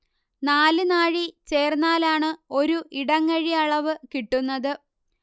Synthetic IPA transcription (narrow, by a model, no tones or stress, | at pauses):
naːlɨnaːɻit͡ɕe̞ːrnːaːlaːɳɨo̞ɾuʔiɽɐŋːɐɻiɐɭɐʋɨkiʈːunːɐðɨ